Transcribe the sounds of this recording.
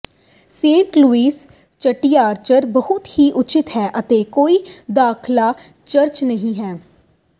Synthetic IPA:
sẽːɳʈluːiːs | t͡ʃəʈiːaːɾt͡ʃəɾbəɦʊt̪hiːʔʊt͡ʃɪt̪ɦɛːʔət̪eːkoːiːd̪aːkʰlaː | t͡ʃəɾt͡ʃnəɦĩːɦɛː

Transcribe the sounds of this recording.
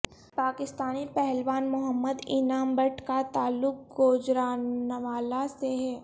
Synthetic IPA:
paːkɪst̪aːnipɛɦɛlʋaːnmʊɦəmːəd̪ɪnaːmbəʈʰkat̪aːlːʊk̚ɡoːd͡ʒɾaːnəʋaːlaseɦɛː

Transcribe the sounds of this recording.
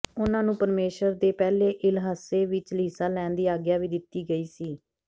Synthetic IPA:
ʊnãːnũːpəɾmeːʃəɾd̪eːpɛːleːʔɪlɦaːseːʋɪt͡ʃliːsaːlɛ̃ːnd̪iːaːɡjaːʋiːd̪ɪt̪ːiːɡəiːsiː

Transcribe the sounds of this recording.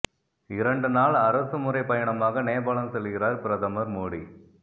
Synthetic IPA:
ɪɾɐɳɖɯnaːɭɐɾɐsɯmɯɾɐɪpɐjɐɳɐmaːɣɐneːbɐːɭɐnsɛlːɯɣɪɾaːɾpɪɾɐðɐmɐɾmoːɽi

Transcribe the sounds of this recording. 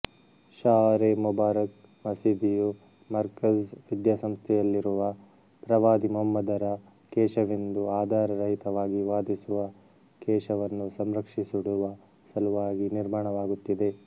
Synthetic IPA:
ʃaːɾemubaːɾɐk̚ | mɐsid̪iju | mɐɾkɐsʋid̪jaːsɐmst̪ʰɛjɐlːiɾuʋɐ | pɾɐʋaːd̪imuɦɐmːɐd̪ɐɾɐ | kɛːʃɐʋind̪uaːd̪ʱaːɾɐɾɐɦit̪ɐʋaːɡiʋaːd̪isuʋɐ | kɛːʃɐʋɐnːusɐmɾɐkʂisuɽuʋɐ | sɐluʋaːɡiniɾmaːɳɐʋaːɡut̪ːid̪e̞

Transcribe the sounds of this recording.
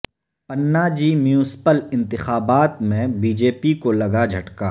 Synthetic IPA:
pɐnːaːd͡ʒimjũːsɪ̥pəlɪ̃nt̪ɪxaːbaːt̪mẽbiːd͡ʒeːpikolɐɡad͡ʒʱɐʈkaː

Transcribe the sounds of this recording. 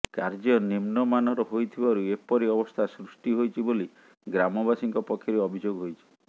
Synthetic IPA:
kaɾd͡ʒɔnimnɔmanɔɾɔɦojt̪ʰibaɾuepɔɾiɔbɔst̪ʰasɾusʈiɦojt͡ʃʰiboli | ɡɾamɔbasiŋkɔpɔkʰjɔɾeɔbʱid͡ʒoɡɦojt͡ʃʰi̥

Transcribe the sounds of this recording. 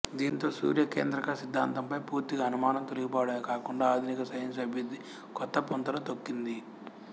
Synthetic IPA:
d̪iːnt̪o̞ːsṵːɾjɐkeːnd̪ɾɐkasid̪ʱːaːnt̪ɐmpɐjpuːɾt̪iɡɐːnumaːnɐmt̪oliɡipɔːʋɐɽɐmekaːkuɳɖaːaːd̪ʱinikɐsɐjɐnsɐbʱjud̪ːi | kɔt̪ːɐpont̪ɐlɐt̪okːind̪i

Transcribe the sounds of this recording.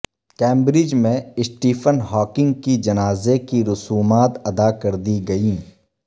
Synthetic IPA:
kɛ̃ːmbɾɪd͡ʒmẽɪsʈiːfʰənɦɔːkɪ̃ŋɡ̚kid͡ʒɐnaːzekiɾʊsuːmaːt̪ɐd̪aːkɐɾd̪iɡɐĩː

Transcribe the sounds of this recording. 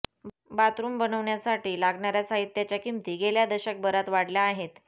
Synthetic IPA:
bat̪ɾuːmbənəʋɳjasaʈiːlaɡɳaɾjasaɦit̪ːjat͡ɕjakimt̪iːɡeljad̪əɕək̚bəɾat̪ʋaɽljaːɦet̪

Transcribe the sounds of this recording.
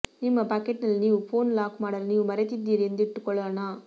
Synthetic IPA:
nɪmːɐpɐkːɛʈnɐlniːʋũfoːnlaːkmaːɽɐɾniːʋũmɐɾɛt̪ːit̪ːiːɾɛnd̪ɪʈːɯkːɔɭːɐːnaː

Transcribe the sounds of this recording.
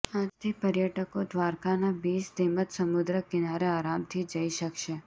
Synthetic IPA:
ad͡ʒt̪ʰipəɾjəʈəkod̪ʋaɾkanabisd̪emət̪səmud̪ɾəkɪnaɾeaɾamt̪ʰid͡ʒəiʃəkʃe

